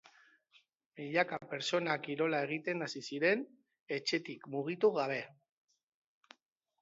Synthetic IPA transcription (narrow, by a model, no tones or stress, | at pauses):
miʎakape̞ɾt͡so̞nakiɾo̞lae̞ɣ̞it̪e̞nasisiɾe̞n | e̞t͡ʃe̞t̪ikmuɣ̞it̪uɣaβ̞e̞